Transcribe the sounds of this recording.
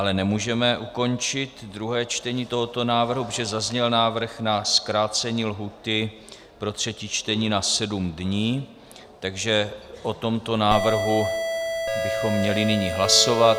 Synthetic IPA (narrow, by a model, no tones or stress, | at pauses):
ʔalɛnɛmuːʒɛmɛʔuko̞nt͡ʃɪt̪dɾuɦɛːt͡ʃt̪ɛɲiːt̪o̞ɦo̞t̪o̞naːvr̩ɦupoʒɛzazɲɛlnaːvr̩xnaskɾaːt͡sɛɲiːlɦuːt̪ɪ | pɾo̞t̪r̝̥ɛcit͡ʃt̪ɛɲiːnasɛdumdɲiː | t̪aɡʒɛʔo̞t̪o̞mt̪o̞naːvr̩ɦu | bɪxo̞mːɲɛlɪnɪɲiɦlaso̞vat̪